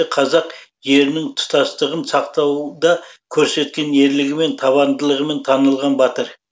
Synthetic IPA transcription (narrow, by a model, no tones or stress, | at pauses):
qʰɑzɑqje̞ɾɪnɪŋt̪ʰʊ̥t̪ɑst̪əʁənsɑq̚t̪ɑwd̪ɑkʲʰɵɾse̞t̪̚kʲe̞ne̞ɾlɪɡʲɪme̞nt̪ʰɑβɑnd̪əlˠəʁəme̞nt̪ʰɑnəlˠʁɑnbɑt̪əɾ